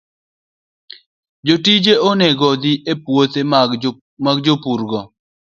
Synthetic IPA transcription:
d͡ʒotid͡ʒeoneɡɔd̪iʔepwot̪e | maɡd͡ʒopuɾɡɔ

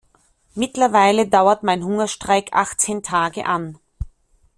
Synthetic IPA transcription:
mɪtlɐvaɪlədaʊɐtmaɪnɦʊŋɐʃtʁ̥aɪkʰʔa̰χt͡seːntʰaːɡə̰ʔan

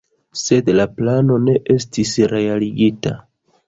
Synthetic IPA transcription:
se̞dlaplano̞ne̞ʔe̞stisɾe̞aliɡita̰

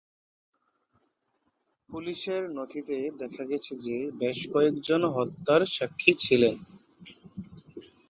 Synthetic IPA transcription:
puliʃeɾnot̪ʰit̪ed̪ɛkʰaɡɛt͡ɕʰed͡ʑebeʃkɔekd͡ʑonɦɔt̪ːaɾʃakʰːit͡ɕʰilen

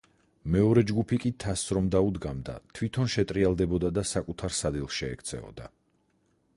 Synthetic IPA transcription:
mɛɔɾɛd͡ʒɡupʰikʼit̪ʰasɾɔmd̪aud̪ɡamd̪a̰t̪ʰvwit̪ʰɔnʃɛt̪ʼɾialˠd̪ɛbɔd̪ad̪asakʼut̪ʰaɾsad̪ilˠʃɛɛ̰kʰt̪sʰɛ̰ɔ̰d̪a̰

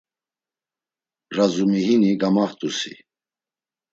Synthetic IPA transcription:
razumiɦiniɡamaχt̪ʼusḭ

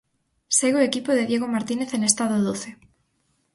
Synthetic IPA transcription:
seɣoekipoðeðjeɣomaɾt̪ineθenest̪aðoðoθe

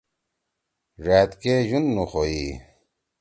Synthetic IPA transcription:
ʐaːt̪keʑunːuxoi

